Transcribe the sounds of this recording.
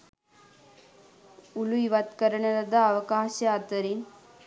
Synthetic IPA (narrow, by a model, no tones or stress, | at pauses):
ʊluʋɐt̪kɐɾɐɳɐɾɐd̪aːʋɐkaːʃɐaːt̪ɐɾin